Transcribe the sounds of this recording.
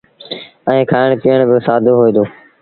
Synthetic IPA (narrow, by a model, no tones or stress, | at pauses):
ɛ̃ːkʰaːɪɳ̃piːəɳ̃bɪsaːd̪ʱoːɦoiːd̪oː